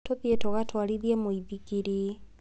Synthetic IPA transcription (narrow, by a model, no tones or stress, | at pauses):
toðietoɣatʰwaɾiðiɛmoiðiɣiɾi